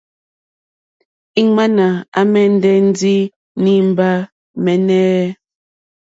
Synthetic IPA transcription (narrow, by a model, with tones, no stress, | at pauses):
i˦ŋa˦na˨a˦mɛ˦n̩˦dɛ˦n̩˦di˦ | ni˦m̩˦ba˦ | mɛ˨nɛ˦